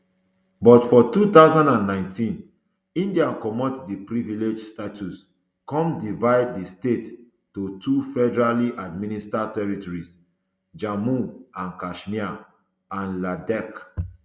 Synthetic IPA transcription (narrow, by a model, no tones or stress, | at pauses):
bɔtfɔtut̪aʊzãndãnːãɪ̃ntĩn | ĩndiakɔmɔtdipɹiviled͡ʒstatus | kɔ̃mdivaɪd̚ːistet | totʰufɛdɛɹaliʔad̚mĩnistatɛɹitɔɹis | d͡ʒamũãnkaʃmia | ãnladɛk